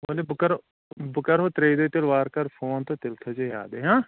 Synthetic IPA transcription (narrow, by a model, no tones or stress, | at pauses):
olebʊkəɾ | bʊkəɾɦot̪ɾeːd̪oːt̪ɪlʋaːɾkɐɾpʰoːnt̪oːt̪ɪlt̪ʰod͡ʒeja̰ːd̪eɦãː